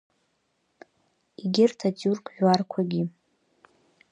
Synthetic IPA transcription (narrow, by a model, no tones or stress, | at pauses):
iɡʲɪrtʰatʼurkʼʕᶣwarkʷʰaɡʲi